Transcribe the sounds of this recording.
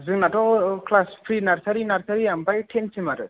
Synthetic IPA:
zɯŋnatɔklaspʰɾinaɾsaɾinaɾsaɾiambajʈʰensimaɾɯ

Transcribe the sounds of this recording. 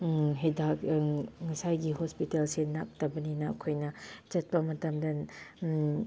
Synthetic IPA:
ɦedakŋɐsajɡihospitelsenak̚tɐbɐninɐɐ̰kʰojnɐt͡ʃɐt̚pɐmɐtɐmdɐ

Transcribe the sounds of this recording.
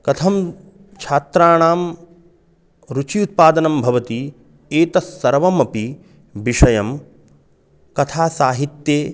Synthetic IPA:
kɐt̪ʰɐm | t͡ʃʰaːt̪ɾaːɳaːm | ɾut͡ʃiut̪̚paːd̪ɐnɐmbʱɐʋɐt̪i | eːt̪ɐsːɐɾʋɐmɐpi | biʂɐjɐm | kɐt̪ʰaːsaːɦit̪jeː

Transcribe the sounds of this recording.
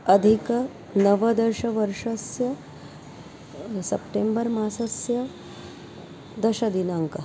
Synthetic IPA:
ɐd̪ʱikɐ | nɐʋɐd̪ɐɾʃɐʋɐɾʂɐsjɐ | sɐpʈembɐɾmaːsɐsjɐ | d̪ɐʃɐd̪inaːŋkɐ

